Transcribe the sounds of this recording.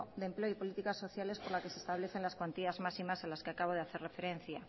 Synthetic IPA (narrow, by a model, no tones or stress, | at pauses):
d̪emple̞oipo̞lit̪ikasːo̞θjale̞spo̞ɾlake̞sest̪aβle̞θe̞nlaskwant̪iazmasimasenlaskeakaβ̞o̞ð̞eaθe̞re̞fe̞ɾe̞n̟θja